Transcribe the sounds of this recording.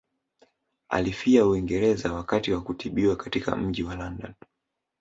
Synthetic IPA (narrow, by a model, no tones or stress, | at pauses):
a̰lifiauiŋɡɛɾɛzawakatiwakutiɓiwakatika̰m̩ʄiwalanda̰n